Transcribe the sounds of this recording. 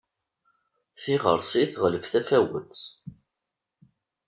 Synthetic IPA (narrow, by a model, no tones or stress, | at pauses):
θiʁə̰ɾˤsiθʁləvθæfæwə̰t͡s